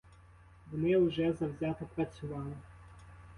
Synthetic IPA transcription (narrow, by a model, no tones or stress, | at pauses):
ʋɔnɪʊʒɛzɐwzʲat̪ɪpɾɐt͡sʲʊʋɑlˠɪ